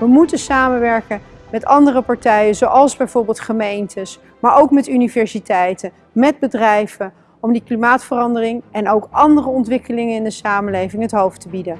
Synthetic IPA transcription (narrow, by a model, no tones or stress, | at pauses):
ʋəmutəsaːmənʋɛɹkə | mɛtɑndərəpɑɹtɛjəzowʔɑlˠzbɛjv̥ʊːɹbɪːlˠtχəmejntʰəs | maːɹʔowkmɛtynivɛɹsitɛjtə | mɛd̚bədrɛjv̥ə | ɔmdiklimaːtfərɑndərɪŋɛnowkʔɑndərəɔntʋɪkəlɪŋənɪndəsaːməlejvɪŋɦətɦowftəbidən